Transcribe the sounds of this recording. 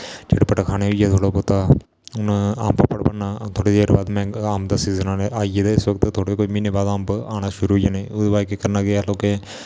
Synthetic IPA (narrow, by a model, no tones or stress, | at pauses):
d͡ʒḛːɽpəʈakʰaːneʊjaːt̪ʰoːɽopot̪aː | ʊna̰ːmpəpəɽbənat̪ʰoːɽed͡ʒeɾbaːd̪mɛ̃ːaːmd̪asiːzənãːneʔaːijed̪aɪsʋək̚t̪t̪ʰoːɽekoːimineːbaːd̪aːmbaːñaʃʊɾuʊjaːnãʊd̪baːkekəɾnaːɡeaːlõːke